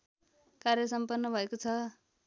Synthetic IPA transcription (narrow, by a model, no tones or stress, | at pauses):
karjʌsʌmpʌrnːʌbʱʌekot͡sʰʌ